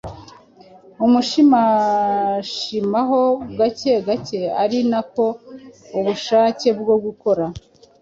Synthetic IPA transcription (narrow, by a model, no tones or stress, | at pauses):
umuʃima | ʃimaɦo̞ɡaceɡace̞a̰ɾinako̞uβuʃaːce̞bɡoɡuko̞ɾa